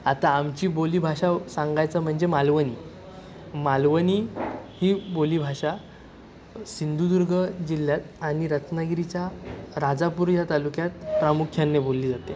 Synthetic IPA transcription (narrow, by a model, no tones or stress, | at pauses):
at̪aːmt͡ɕiːboliːbʱaɕasãŋɡajt͡səm̤əɳd͡zemalʋəniː | malʋəniːhiːboliːbʱaʂa | sind̪ud̪uɾɡʱəd͡ʑiljat̪aɽ̃iɾət̪naɡiɾit͡ɕjaɾad͡zapuɾjat̪alukjat̪pɾamukʰjanːebolːiːd͡zat̪e